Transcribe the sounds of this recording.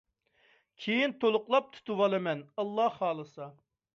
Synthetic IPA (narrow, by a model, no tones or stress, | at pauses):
kʲʰejint̪ʰolˠʊqlˠɑp̚t̪ʰu̥t̪ʰuwɑlˠɨmɛnɑlˠːɑhːɑːlˠɨsɑ